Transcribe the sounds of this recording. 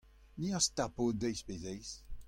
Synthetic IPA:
niast̪apod̪ɛjspezɛjs

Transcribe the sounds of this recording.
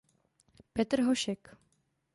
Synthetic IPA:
pɛt̪ɾɦoʃɛk

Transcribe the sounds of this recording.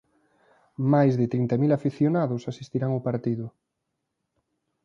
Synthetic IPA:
majzðɪt̪ɾint̪amilafiθjonaðʊsasist̪iɾaŋopaɾt̪iðʊ

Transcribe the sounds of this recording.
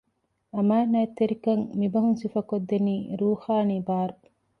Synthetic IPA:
ɐmaːnɐet̪ːeɾikɐŋmibɐɦuŋsifɐkod̪ːeniːɾuːxaːniːbaːɾu

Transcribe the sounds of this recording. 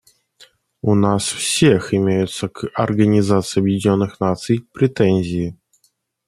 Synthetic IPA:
ʊnasfsʲexɪmʲejʊt̪səkɐrɡənʲɪzat̪sɨɪɐbjɪdʲɪnʲo̞nːɨxnat̪sɨjpɾʲɪt̪ɛnʲzʲɪː

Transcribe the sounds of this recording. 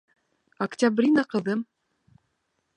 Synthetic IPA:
ɐktʲabrʲinaqɤ̆ðɤm

